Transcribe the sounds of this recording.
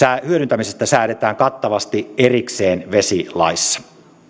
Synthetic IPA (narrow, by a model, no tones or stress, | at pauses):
æhyøɾynt̪æmisest̪æsæːɾet̪æːŋkɑt̪ːɑʋɑst̪iʔerikseːnʋesilɑ̰isːɑ̥